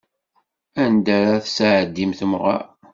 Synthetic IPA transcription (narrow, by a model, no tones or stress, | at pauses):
ænd̪æɾæθsʕəd̪ːimθəmʁɑ̰